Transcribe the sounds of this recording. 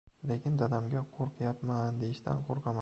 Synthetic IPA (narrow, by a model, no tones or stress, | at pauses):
le̞kʲɪnd̪ad̪amɡʲaqʰoɾqjapmand̪e̞jɪʃt̪ʰa̰nqʰoɾqɑma